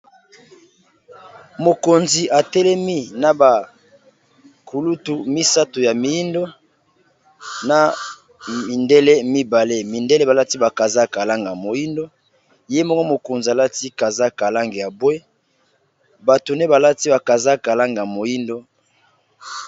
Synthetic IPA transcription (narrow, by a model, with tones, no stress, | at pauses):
mo˨ko˨nzi˨ʔa˨tɛ˦lɛ˦mi˦na˨ba˨ | kʰu˨lu˦tu˨mi˦sa˦to˨ja˨mi˨ji˦ndo˦ | na˨ | mi˨nde˦le˦mi˦ba˨le˦mi˨nde˦le˦ba˨la˦ti˦ba˨ka˨za˦ka˨la˦ŋɡa˨mo˨ji˦ndo˦ | je˦mɔ˦ŋɡo˦mo˨ko˨nzi˨a˨la˦ti˦ka˨za˦ka˨la˦ŋɡe˨ja˨bwe˦ | ba˨to˨ne˦ba˨la˦ti˦ba˨ka˨za˦ka˨la˦ŋɡa˨mo˨ji˦ndo˦